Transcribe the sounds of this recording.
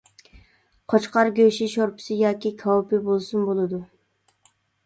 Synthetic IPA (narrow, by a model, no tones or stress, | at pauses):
qʰot͡ʃqɑɾɡʲøʃiʃoɾpʰɪ̥sɨjɑːkʲikʰɑwpɪbolˠsunbolˠɨd̪u